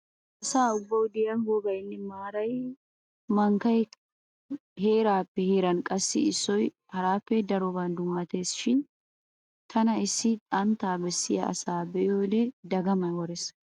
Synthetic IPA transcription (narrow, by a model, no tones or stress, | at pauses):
ʔɐsaːʊbːɐwd̪ɪjɐnɡɔɡɐjɪnːɪmaːɾɐj | mɐŋkɐj | he̞ːɾaːpːɛheːɾɐnkʼɐsːɪɪsːɔj | hɐɾaːfːɛd̪ɐɾɔbɐnd̪ʊmaːt̪e̞ːsɪ̥ʃɪn | t̪ʰɐnɐɪsːɪt̪ʼɐnt̪aːbɛsːɪjɐ̰ɐ̰saːbɛʔɪoːlɛd̪ɐɡɐmɐnwɔɾɛs